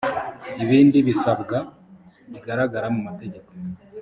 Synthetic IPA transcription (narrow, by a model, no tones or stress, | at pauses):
iβiːndiβisabɡa | βiɡaɾaɡaɾamumate̞ɟe̞ko̥